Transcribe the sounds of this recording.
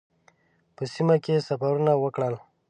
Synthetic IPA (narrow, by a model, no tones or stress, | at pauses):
pəsimakesafaɾunawəkɽəl